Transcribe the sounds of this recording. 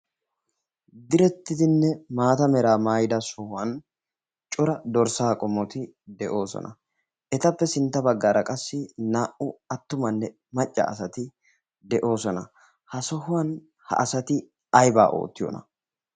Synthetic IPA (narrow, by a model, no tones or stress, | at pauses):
d̪ɪɾɛt̪ːɪd̪ɪnːɛmaːt̪ɐmɛɾaːmaːjd̪ɐsɔhʊwɐn | t͡ʃʼʊɾɐd̪ɔɾsaːkʼɔmːɔt̪ɪ | d̪ɛʔo̞ːsɔ̰nʔɐ̰ | ʔɛt̪ɐpːɛsɪnt̪ːɐbɐɡːaːɾɐkʼɐsːɪnaːʔʊɐt̪ːʊmɐnːɛ | mɐt͡ʃʼːɐ̰ːsɐt̪ɪ | d̪ɛʔo̞ːsɔnɐ | hɐsɔhʊwɐn | hɐ̰ʔɐsɐt̪ɪ | ɐjba̰ːʔo̰ːt̪ːɪjɔ̰nɐ̰